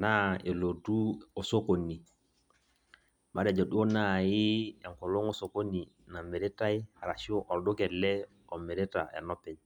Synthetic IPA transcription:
na˦e˨lo˨du˦o˨so˦ko˨ni˨ | ma˦ɾe˨d͡ʒo˨du˦o˦na˦˨ji˦e˨ŋko˨lo˦ŋo˦so˨ko˦ni˨ | na˨me˨ɾe˦ta˦i˦˨ɾa˨ʃo˦ʔɔ˨dɔ˦kɛ˨lɛ˦ | ɔ˨me˨ɾe˦ta̰˨ḛ˨nɔ˦pɛ˨ɲ

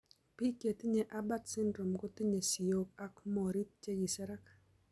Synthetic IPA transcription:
pi˦ke˨t̪i˦ɲe˨ʔa˦ba˦t̪sɪ˦ndɾo˨mko˦t̪i˦ɲe˨si˨jo˨k̚a˦kmɔ˨ɾi˦t̪̚t͡ʃe˦ɡi˨sɛ˦ɾa˦k

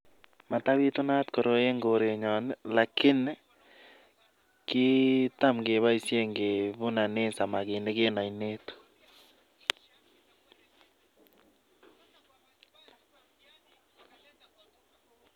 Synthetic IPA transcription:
ma˨ta˦βi˦to˦na˦tko˨ɾo˦e˦ŋɡo˨ɾe˨ɲɔ˨nla˨kʰɪ˦n | kɪ˦ta˦mɡe˨βa˦i˦sje˦ŋɡe˨βu˦na˨neː˦nsa˨ma˨ke˨nde˦ke˦na˨i˨ne˦tu̥˨

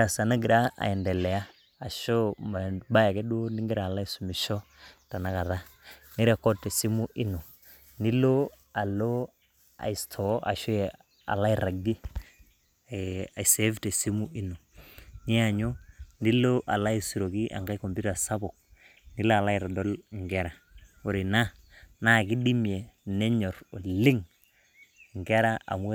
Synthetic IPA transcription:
a˨sa˨na˦ɡi˨ɾa˦ʔa̰˨ɛ˨ndɛ˨lɛ˨aː˦˨ | ʃɔ˦m˨ba˦ja˨kɛ˦ɗu˦ndi˦ŋɡɪ˦ɾaː˨la˦i˦˨su˨mi˨ʃɔ˦ | ta˨na˨ka˨ða˦ni˦ɾa˨kɔ˦tːɛ˨si˦mu˦ʔi˦no˨ | ndi˦lo˦ | a˨lo˦ | a̰˨i˨stʰɔ˨˦ʔa̰˨ʃɔ˦ɛ˨ | a̰˨la˦i˨ɾa˨ɡi˦ | a˨se˨˦vte˨si˦mu˦ʔi˦no˨ | ni˦a˨ɲo˦ni˦lo˦ʔa˨la˦i˦su˨ɾo˨ki˦ʔa̰˨ŋɡa˦i˦ko˨mbu˦ta˨sa˦bo˨k̚ | ni˦la˦a˨la˦i˨ɾa˨do˦lŋɡe˦ɾa˨wo˨ɾi˨na˦ | na˦˨ki˦di˦mi˨e˨ne˦ɲo˨ɾo˨li˦ŋ | ŋ˨ɡe˦ɾa˦a̰˨m˦

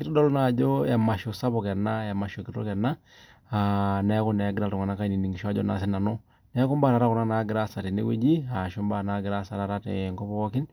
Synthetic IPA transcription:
kɪ˦tɔ˦dɔ˦lna˨d͡ʒo˦ja˨ma˨ʃɔ˨sa˦bɔ˨kɛ˨na˦ja˨ma˨ʃo˨kɪ˨ɾɔ̰˦kɛ˨na˦ | a˨nɛ˨˦kɔ˦nɛ˨˦ɡɪ˦ɾa˦ltɔ˨ŋa˨na˦ka˦i˦ni˨ni˨ŋɡi˨ʃɔ˦a˦d͡ʒɔ̰˦na̰˨s̬ɛ˦na˨nɔ˦ | nɛ˦ku˦mba˦˨ɾa˨ɾa˦kɔ˨na˦na˦ɡɪ˨ɾa˦sa˨ti˨nḛ˦we˦d͡ʒi˦a˨ʃo˦mba˦na˦ɡɪ˨ɾa˦sa˦ɾa˨ɾa˦tɛ̰˨ŋkɔ˦pɔ˦ɔ˦kɪ˦n

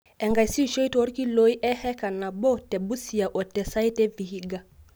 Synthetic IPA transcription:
ɛ˨ŋɡa˨i˨si˦˨ʃɔ˦i˦tɔ˦ɾi˦ki˦lo˦i˦ʔɛ˦hɛ˦ka˨na˨ɓɔ˦tɛ˨ɓu˦si˨a˨ʔɔ˨tɛ˨sa˦i˦tɛ˦vi˨hi˦ɡa˨

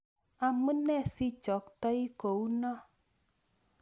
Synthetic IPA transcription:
a˨mə˦nɛ˦˨si˦t͡ʃɔ˨˦k̚t̪ɔ˦i˦ko˨u˦nɔ˦

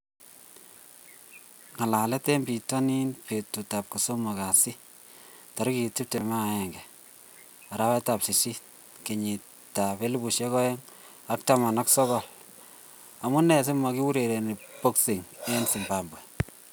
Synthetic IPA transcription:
ŋa˨la˨lɛ˦te˦mbi˨tɔ˦ni˦npe˨tu˨ta˨p̚ku˨so˦mo˨ka˨si˦ | ta˨ɾki˨ti˦p̚te˨ma˦a˨ɛ˨ŋɡɛ˨ | a˨ɾa˦wɛ˦ta˨psi˨si˦ | ke˨ɲi˨ | ta˨pe˦lu˦bu˨ʃe˦kɔ˦jɛ˦ŋ | a˦k̚ta˦ma˨na˦ksɔ˦kɔ˨l | a˨mu˦nɛ˨s̬i˦ma˨ki˦wu˦ɾe˨ɾe˨ne˨po˦ksi˨ŋe˦nsi˨mba˨mbwe˨

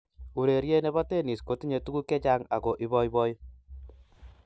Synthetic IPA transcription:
u˨ɾe˨ɾje˦ne˦bɔ˦te˦ni˨sko˨ti˦ɲe˨tu˦ku˦kɛ˦t͡ʃa˦ŋa̰˨ko˨ʔi˦bɔ˦ji˦bɔ˦j

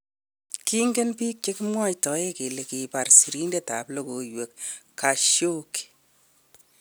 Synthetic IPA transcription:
ki˦ŋɡe˦npiː˦k̚t͡ʃe˦ki˦mwa˦jtɔ˨˦je˦ke˨le˨ki˨pa˨rsi˨ɾi˦nde˦ta˨plo˦ko˨jwe˨kː | a˨ʃjo˦ki̥

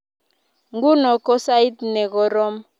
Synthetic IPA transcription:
ŋɡu˦nɔ˨kɔ˦sa˦i˦t̪nɛ˨ɣɔ˨ɾɔ˦m

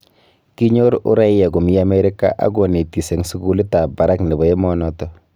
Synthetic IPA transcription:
ki˦ɲo˦ɾʊ̰˦ɾa˦jɛ˨ku˨mja˦me˦ɾi˦ka̰˦ʔa̰˦ɡo˨ne˨ti˨se˨ŋsu˦ɡu˦li˦ta˨ba˨ɾa˦knɪ˨bɔ˨e˦mɔnɔ˦tɔ

